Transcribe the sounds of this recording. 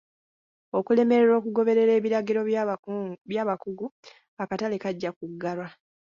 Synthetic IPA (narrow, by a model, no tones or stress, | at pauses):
o̞kule̞me̞ɾeɾo̞ːkuɡo̞βe̞ɾe̞ɾe̞ːβiɾaɡiɾo̞ | βjaːβakuɡu | akatalekaɟːakuɡːalwa